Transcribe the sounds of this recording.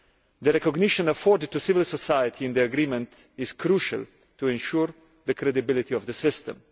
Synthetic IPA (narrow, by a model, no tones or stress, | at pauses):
d̪əɾɛkɔɡnɪʃɔ̃nəfɔɾd̪ɪd̚tusɪvɪlsɔsajət̪ʰiɪ̃nd̪iaɡɾĩmɛ̃nt̪ | ɪz̥kʰɾuʃa̰l | t̪uɛ̃nʃuɾ | ðəkɾɛd̪ibɪlɪt̪iɔvd̪əsɪst̪ə̰̃m